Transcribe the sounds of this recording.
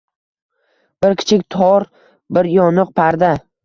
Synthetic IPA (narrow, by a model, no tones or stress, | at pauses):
b̥ɪɾkʲʰɪ̥t͡ʃʰɪk̚ʲt̪ʰɒɾ | bɪɾjɒnɨq̚pʰaɾd̪a